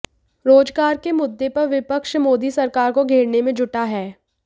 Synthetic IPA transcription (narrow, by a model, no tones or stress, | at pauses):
ɾoːd͡ʒɡaːɾkemʊd̪ːepɐɾʋɪpəkʃmoːd̪isɐɾkaːɾkoɡʱeːɽnemẽd͡ʒʊʈaɦɛː